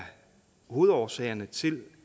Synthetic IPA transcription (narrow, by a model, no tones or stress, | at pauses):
huð̞̩ˠɒːsɛ̰ːɐnət͡sʰe̝l